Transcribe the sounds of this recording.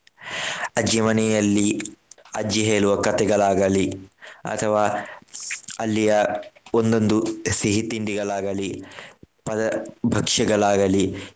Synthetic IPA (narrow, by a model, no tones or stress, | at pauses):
ɐd͡ʒjɐmɐnɛjɐlːi | ɐd͡ʒjɐɦeːɭuʋɐkɐt̪ɛɡɐɭaːɡɐliɐ̰t̪ʰɐʋaː | ɐlːijɐond̪o̞nd̪usiɦit̪iɳɖiɡɐɭaːɡɐli | pɐd̪ɐbʱɐkʂɐɡɐɭaːɡɐli